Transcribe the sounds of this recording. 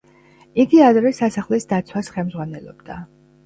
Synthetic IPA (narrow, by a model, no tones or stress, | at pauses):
iɡiad̪ɾɛsasaχlisd̪at̪sʰwasχɛlmzʁwanɛlˠɔ̰bd̪a